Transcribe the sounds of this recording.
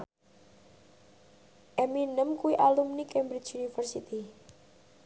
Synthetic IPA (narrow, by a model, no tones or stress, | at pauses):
ʔɛminəmkuwiʔalumnikɛmbɾit͡ʃunifərsit̪i